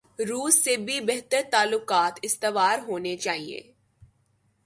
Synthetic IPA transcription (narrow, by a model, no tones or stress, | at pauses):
ɾuːsːebʱibɛɦt̪əɾt̪aːlːʊqaːt̪ɪst̪eʋaːɾɦoːnet͡ʃaːɦiḛː